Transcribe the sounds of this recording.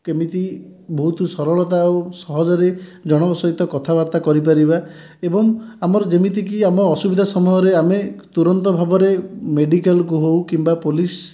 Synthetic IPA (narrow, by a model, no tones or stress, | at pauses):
kemit̪i | bʱɔɦut̪usɔɾɔɭɔt̪aosɔɦɔd͡ʒɔɾed͡ʒɔɽ̃ɔbɔsɔɦit̪ɔkɔt̪ʰabaɾt̪akɔɾip̬aɾiba | ebɔŋamɔɾɔd͡ʒemit̪ik̬iamɔːsubid̪ʱasɔmuɔɾeamet̪uɾɔnt̪ɔbʱabɔɾemeɖikalk̬uɦowkimbapolis